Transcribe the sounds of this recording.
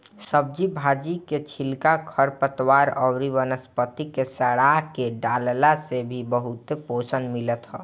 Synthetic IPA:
səb̚d͡ʒibʱad͡ʒiket͡ʃʰilkakʰəɾpət̪waɾɔwɾiʋənəspət̪ikesəɽakeɖallasebʱibəɦut̪eposənmilət̪ɦɔ̰ː

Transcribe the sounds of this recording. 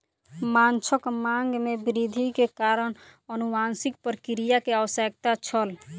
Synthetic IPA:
mant͡ʃʰəkmaŋɡmebiɾid̪ʱikekaɾənənumansik̚pɾəkiɾijakeəwsek̚t̪at͡ʃʰəl

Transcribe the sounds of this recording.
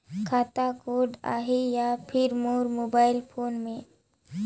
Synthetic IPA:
kʰaːt̪akoːɖa̰ːɦejapʰɪɾmoːɾmoːbaːɪlpʰoːnmẽ

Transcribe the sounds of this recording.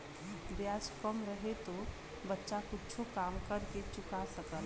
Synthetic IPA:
bjad͡ʒkəmɾəɦet̪o | bətːʃakut͡ʃʰokamkəɾket͡ʃʊkasəkəl

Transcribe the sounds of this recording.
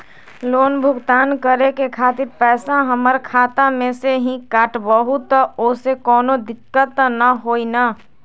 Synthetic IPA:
lonbʱʊɡt̪aːnkəɾekekʰat̪iɾpɛːsaɦəməɾkʰat̪amẽseɦĩkaːʈbəɦut̪ːəosekɔːnod̪ɪkːət̪nəɦoina

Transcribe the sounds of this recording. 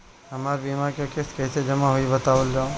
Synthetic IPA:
ɦəmaːɾbimaɾkokeskɛɪsed͡ʒəmaɦuibət̪aːʋəld͡ʒaõ

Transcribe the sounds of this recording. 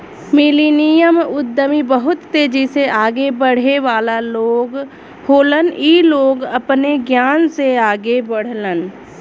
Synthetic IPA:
miliːnijəmʊd̪ːəmibəɦʊt̪ːeːd͡ʒiseʔaːɡebəɽ̤eʋaːlaloːɡ | hoːləniloːɡəpneɡjaːnseaːɡebəɽ̤lən

